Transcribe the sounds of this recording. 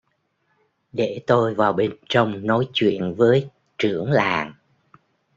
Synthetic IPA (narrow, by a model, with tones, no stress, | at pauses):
ɗe˧˩t̪o˧jvaː˨˩wɓe˧nt͡ɕə˧wŋ͡mnɔ˨˦jt͡ɕwḭ˧˨ənvəː˨˦j | t͡ɕɨ˧˩əŋlaː˨˩ŋ